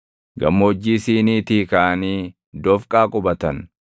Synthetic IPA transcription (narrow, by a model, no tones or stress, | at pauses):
ɡɐ̰mːɔɔd͡ʒːiːsiːniːt̪ikaʔɐniː | d̪ɔfkʼaːkʼʊbɐt̪ɐn